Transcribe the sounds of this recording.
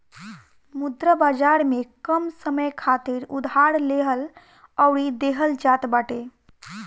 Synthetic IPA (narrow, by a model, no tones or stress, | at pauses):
mud̪ɾəbad͡ʒaɾmekəmsəməjkʰat̪iɾud̪ʱɦaɽleɦəl | əʊɽid̪eɦəld͡ʒat̪baʈe